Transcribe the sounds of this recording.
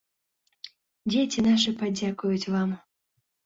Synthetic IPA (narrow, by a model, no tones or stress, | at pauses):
d͡zʲet͡sʲinaʂɨpad͡zʲakʊjʊt͡sʲvam